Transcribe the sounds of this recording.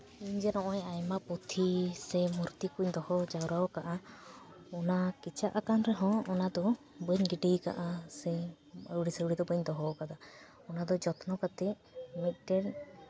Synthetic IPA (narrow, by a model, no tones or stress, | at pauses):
iɲd͡ʒɛnɔʔɔɛajmaput̪ʰisɛmuɾt̪ikuɲd̪ɔhɔd͡ʒawɾaɔkaʔa | ɔnakit͡ʃaʔakanɾɛɦɔ̃ːnad̪ɔ | bəɲɡiɖika̰ʔasɛ | əɽisəɽid̪ɔbəɲd̪ɔɦɔkad̪a | ɔnad̪ɔd͡ʒɔt̪ʰnɔkat̪ɛ | mit̪̚ˀʈɛɽ